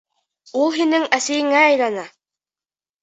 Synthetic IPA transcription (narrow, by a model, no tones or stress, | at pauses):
ulˠɦinɘŋæsijɘ̆ŋæːjlanɑ